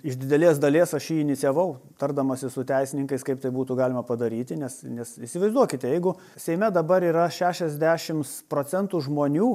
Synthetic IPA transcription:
ɪʃd̪ʲɪd̪ʲɛlʲeːsd̪ɐlʲeːsɐʃjiːɪnʲɪt̪t͡ssʲiɛʋɐʊt̪ɐrd̪ɐmɐsʲɪsʊt̪ʲæɪsʲɪnʲɪŋkɐɪskɐɪp̚t̪ɐɪbuːt̪uɡɑːlʲɪmɐpɐd̪ɐɾʲiːt̪ʲɪnʲɛsnʲɛsisʲɪʋɐɪzd̪uɔkʲɪt̪ʲɛjɛɪɡʊ | sʲɛɪmʲɛd̪ɐbɐɾiːɾɐʃʲæːʃʲɛzʲd̪ʲæːʃʲɪmspɾoːt͡s̪ʲɛnt̪uʒmoːnʲuː

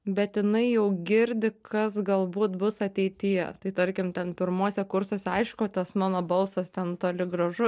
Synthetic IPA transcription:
bʲɛt̪jɪnɐɪjɛʊɡʲɪɾʲd̪ʲɪkʰɐsɡɐlˠbuːt̪bʊsɐt̪ʲɛɪt̪ʲɪjɛ̰t̪ɐɪt̪ɐɾʲkʲɪmt̪ʲɛnpʲɪɾmoːsʲɛkʊɾsoːsʲɛɐɪʃkoːt̪ɐsmɑːnoːbɐlˠsɐst̪ʲɛnt̪oːlʲɪɡrɐʒʊ

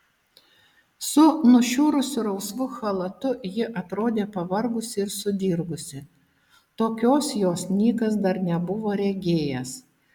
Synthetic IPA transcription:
sʊnʊʃʲuːɾʊsʲʊɾɐʊsʋʊxɐlˠɐt̪ʊjɪʔɐt̪ɾoːd̪ʲeːpɐʋɐɾɡʊsʲɪɪɾsʊd̪ʲiɾɡʊsʲɪ | t̪oːkʲoːsjoːsnʲiːkɐsd̪ɐɾnʲɛbʊʋoːɾʲɛɡʲeːjɛs

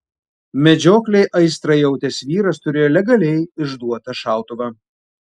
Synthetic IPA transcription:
mʲɛd͡ʒʲoːklʲɛɪʔɐɪst̪ɾɐɪjɛʊt̪ʲɛsʋʲiːɾɐst̪ʊɾʲeːjoːlʲɛɡɐlʲɛɪɪʒd̪uɔt̪ɐʃɑˑʊt̪ʊʋɐ

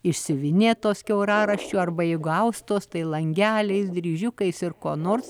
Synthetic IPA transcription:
ɪʃʲsʲɪʋʲɪnʲeːt̪oːskʲɛʊɾɑːɾɐʃʲt͡ʃʲuːɐrbɐɪɡʊɐʊst̪oːst̪ɐɪlˠɐŋʲɡʲæːlʲɛɪsd̪ʲɾʲiːʒʲʊkɐɪsɪrkoːnoːrs

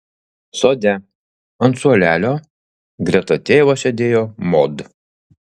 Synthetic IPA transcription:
soːd̪ʲɛ | ɐnt̪suɔlʲæːlʲoː | ɡɾʲɛt̪ɐt̪ʲeːʋoːsʲɛd̪ʲeːjoːmɔd̪

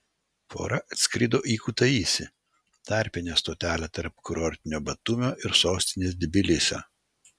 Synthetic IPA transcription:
fo̰ːɾɐʔɐt̪ʲsʲkʲɾʲɪd̪oːʔiːkuːt̪ɐiːsʲɪ | t̪ɐˑɾʲpʲɪnʲeːst̪oːt̪ʲæːlʲɛt̪ɐɾpkʊɾɔɾʲt̪ʲɪnʲoːbɐt̪ʊmʲoːʔɪɾsoːsʲt̪ʲɪnʲeːs̬d̪ʲɪbʲɪlʲɪsʲɛ̰

